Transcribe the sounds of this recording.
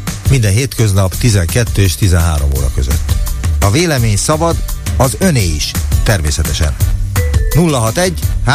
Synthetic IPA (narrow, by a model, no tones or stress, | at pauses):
mind̪ɛnɦeːt̪køznɒpt̪izɛŋkɛt̪ːøːeʃt̪izɛnɦa̰ːɾo̞mo̰ːɾɒ̰kø̞̰zø̰t̪ːɒveːlɛmeːɲsɒbɒd̪ɒzø̞neːiʃt̪ɛrmeːsɛt̪ɛʃɛ̰n | nulːɒɦɒt̪ɛɟːha